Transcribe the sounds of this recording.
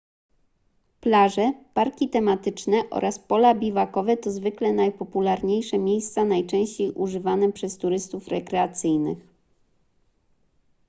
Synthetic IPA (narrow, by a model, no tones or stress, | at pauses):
plaʐɛpaɾkʲit̪ɛmat̪ɘt͡ʂnɛʔɔ̰ɾʔaspɔlabʲivakɔvɛt̪ɔzvɘklɛnajpɔpulaɾɲejʂɛmʲjejst̪sanajt͡ʂɛ̃w̃ɕt͡ɕejʔuʐɘvanɛpʂɛst̪uɾɘst̪ufɾɛkɾɛat̪sɘjnɘ̰x